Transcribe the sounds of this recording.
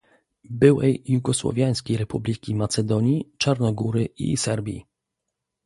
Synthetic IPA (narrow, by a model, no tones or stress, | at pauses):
bɘwɛjjːuɡɔswɔ̰vʲjaj̃skʲejɾɛpublʲikʲimat̪sɛd̪ɔɲit͡ʂaɾnɔɡuɾɘḭsɛɾbʲjḭ